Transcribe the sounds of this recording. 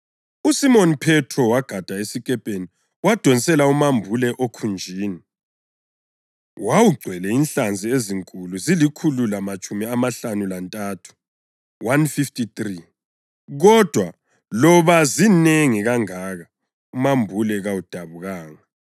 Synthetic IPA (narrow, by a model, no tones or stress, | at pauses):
usimɔnpʰɛtʰrɔwaɡ̥ʱad̥ʱaesikʼɛpʼeni | wad̥ʱɔnisɛlaumambʱulɛʔokʰund͡ʒʱiːni | wawuɡ͡ǀʱwɛlɛinɬand͡zʱieziŋkʼuluzilikʰululamat͡ʃʼumiamaɬanulantʼaːtʰu̥ | wanfiftʰʼitri | ɣɔd̥ʱwa | lɔβazineŋiɣaŋaːɣa | umambʱulɛɣawud̥ʱaβuɣaːŋa